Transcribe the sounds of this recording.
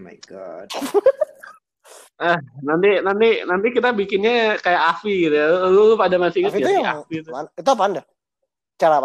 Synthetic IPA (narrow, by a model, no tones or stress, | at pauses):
ma̰jɡad | əhnant̪inant̪inant̪ikit̪abikɪnɲakajaʔafiɡit̪ujalulpadamasiɲaaafit̪uit̪uapanda | t͡ʃaɾa